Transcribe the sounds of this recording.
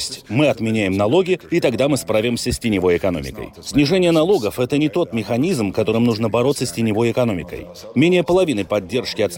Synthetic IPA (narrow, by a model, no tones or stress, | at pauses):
sʲtʲmɨɐt̪mʲɪnʲæjɪmnɐlˠo̞ɡʲɪit̪ɐɡd̪amɨspɾavʲɪmsʲəsʲtʲɪnʲɪvo̞jɪkɐno̞mʲɪ̰kə̰jsʲnʲɪʐɛnʲɪjənɐlˠo̞ɡəfɛt̪ənʲɪt̪o̞t̪mʲɪxɐnʲizmkɐt̪o̞ɾɨmnuʐnəbɐɾo̞t̪səsʲtʲɪnʲɪvo̞jɪkɐno̞mʲɪkə̰j | mʲenʲɪjəpəlˠɐvʲinɨpɐdʲːe̞rʂkʲɪɐt̪sʲ